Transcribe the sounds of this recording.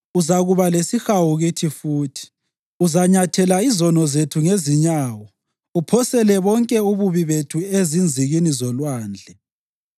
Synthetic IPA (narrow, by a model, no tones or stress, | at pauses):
uzaɣuβalesixawuɣitʰifuːtʰi̥ | uzaɲatʰɛlaizɔnɔzetʰuŋeziɲaːwɔ | upʰɔsɛlɛβɔŋkʼɛuβuβiβetʰuezind͡zʱiɣinizɔlwaːnd͡ɮʱɛ